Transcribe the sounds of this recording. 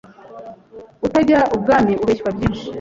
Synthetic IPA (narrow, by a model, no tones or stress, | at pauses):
utaɟaʔub̚ɡaːmiʔuβeʃwabjiːnʃi̥